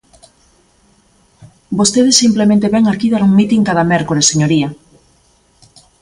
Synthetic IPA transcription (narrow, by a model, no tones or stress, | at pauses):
bost̪eðesːimplemẽnt̪eβɛŋakiðaɾuŋmit̪iŋkaðamɛɾkoɾeseɲoɾia